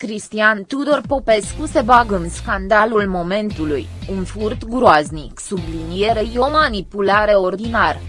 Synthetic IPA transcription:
kɾist̪iant̪ud̪o̞rpo̞pe̞skuse̞baɡɨnskand̪alulmo̞me̞nt̪ulujunfurt̪ɡɾoazniksublinije̞ɾejeo̞manipulaɾeo̞rd̪inar

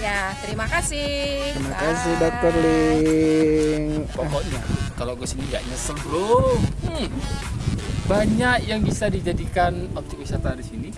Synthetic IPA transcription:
jat̪əɾimakasɪɾimakasɪhdat̚pərlɪ | ŋpɔkɔʔɲa̰kalokəsiniɡia̰ʔɲasəblo | baɲakjaŋbisadid͡ʒadikanɔp̚t̪ɪk̚wisat̪aɾisini

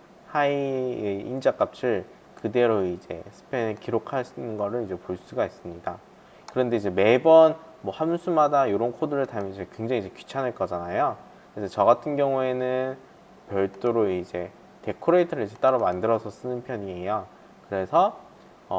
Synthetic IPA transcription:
haieind͡ʑak͈ap̚t͡ɕʰɯɭ | kɯde̞ɾoid͡ʑe̞̰sʰɯ̥pʰenkiɾokʰaɭs͈uinɯnɡʌɾɯɭid͡ʑe̞poɭs͈uɡais͈ɯmɲida | kɯɾʌnde̞id͡ʑe̞me̞bʌn | mwʌhamsʰumadajoɾʌnkʰodɯɾɯɭtamjʌnt͡ɕeekwe̞ŋd͡ʑaŋid͡ʑe̞ki̥t͡ɕʰanɦeɭk͈ʌd͡ʑanajo | kɯɾesʰʌt͡ɕʌɡatʰɯnɡjʌŋue̞nɯn | pjʌɭt͈oɾoid͡ʑe̞ | te̞kʰoɾeitʰɯɾɯɭid͡ʑe̞t͈aɾamandɯɾʌsʰʌs͈ɯnɯnpʰjʌɲie̞jo | kɯɾe̞sʰʌ | ʌ

